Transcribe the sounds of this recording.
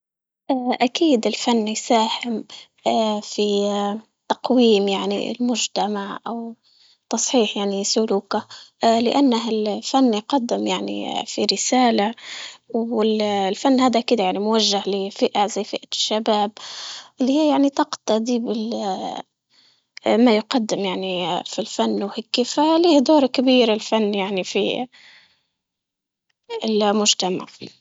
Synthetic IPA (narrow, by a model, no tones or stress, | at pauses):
ʔaːʔakiːd̪ɪlfanːjsaːhɪm | afi | t̪ɑqwiːmjaʕnḭɪ̰lmʊd͡ʒt̪amaʕʔaw | t̪ɑsˤħiːħjaʕnisʊluːkalɪʔanːaɦɪlfanːjqɑd̪ːɪmjaʕnḭfiɾɪsaːlawɪllfanːhaːd̪aʔkiːd̪ajaʕnimʊwaʒːahlɪfɪʔazajːfɪʔaʃːabaːbʔɪlːihɪːjaʕnit̪ɑqt̪ɑd̪iːbɪl | majʊqad̪ːɪmjaʕnifilfanːwhɪkːɪfaliːhd̪oːɾˤkɪbiːɾɪlfanːjaʕnifḭ | ɪlmʊʒt̪ama̰ʕ